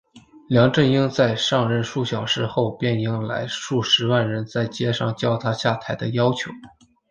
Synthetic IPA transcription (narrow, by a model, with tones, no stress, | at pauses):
ljɑ˧˥ŋʈ͡ʂə˥˩ni˥ŋt͡sa˥˧ɪʂɑ˥˧ŋɻə˥˧nʂu˥˩ɕjɑ˨˩ʊʂɻ̩˥˧xo˥˧ʊpjɛ˥˩ni˧˥˩ŋla̰˧˥ɪʂu˥˩ʂɻ̩˧˥wa˥˩nɻə˧˥nt͡sa˥˩ɪt͡ɕjɛ˥ʂɑ˥˧˩ŋt͡ɕjɑ˥˩ʊt̪ʰa˥ɕja˥˩t̪ʰa˧˥ɪd̪ə˧jɑ˥ʊt͡ɕʰjo˧˥ʊ